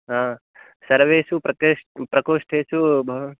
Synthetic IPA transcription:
ɦã | sɐɾʋeːsupɾɐkepɾɐkoːʂʈʰesubʱ

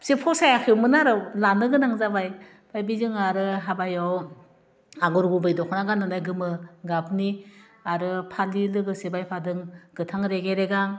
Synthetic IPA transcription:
sepʰɔsajakʰewmɯnaɾɯlanɯɡɯnaŋzabaj | b̥ajbizɯŋaɾɯɦabajaw | aɡɔɾɡubɯjdɔkʰnaɡanɯnajɡɯmɯɡap̚ni | aɾɯpʰalilɯɡɯsebajpʰadɯŋɡ̥ɯtʰaŋɾeɡeɾeɡaŋ

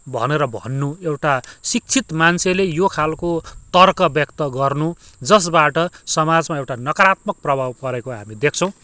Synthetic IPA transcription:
bʱʌ̰neɾʌbʱʌ̰nːuewʈasik̚t͡sʰit̪mansʰelejokʰalkot̪ʌrkʌbjʌkt̪ʌɡʌrnud͡zʌs̬baʈʌsʌmad͡zmaewʈanʌkʌɾat̪mʌk̚prʌbʱabpʌɾekoɦa̰mid̪ekʰt͡sʰʌ̃w̃

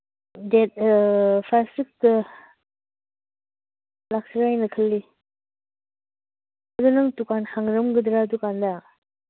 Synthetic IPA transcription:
dɛt̚pʰasik̚tɐ | lak̚siɾajnɯkʰəlːi | ɐdunɐŋtukanhaŋɾɯmɡɯdɾadukanda

